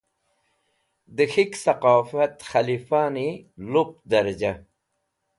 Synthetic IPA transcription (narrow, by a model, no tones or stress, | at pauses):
d̪əxiksɐqɑːfɐt̪xɐlifaːnilup̚d̪ɐɾd͡ʑa